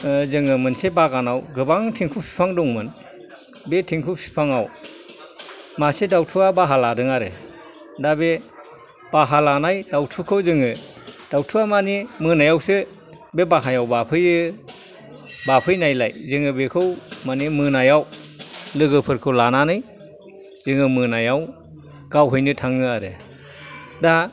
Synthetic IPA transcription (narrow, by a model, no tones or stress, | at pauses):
zɯŋɯmɯnsebaɡanawɡɯbaŋtʰiŋkʰupʰi̥pʰaŋdɔŋmɯn | betʰiŋkʰupʰi̥pʰaŋaw | masedawtʰuabaɦaladɯŋaɾɯ | dabe | b̥aɦalanajdawtʰukʰɯwzɯŋɯ | d̥awtʰuamanimɯnajawsɯ | bebaɦajawbapʰɯjɯ | bapʰɯjnajlajzɯŋɯbekʰɯwmanimɯnajawlɯɡɯpʰɯɾkʰɯwlananɯj | z̥ɯŋɯmɯnajaw | ɡ̥awɦɯjnɯtʰaŋɯaɾɯ̰ | da